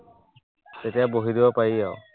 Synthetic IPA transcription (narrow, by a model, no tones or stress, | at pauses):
tetijaboɦidibapajiaʊ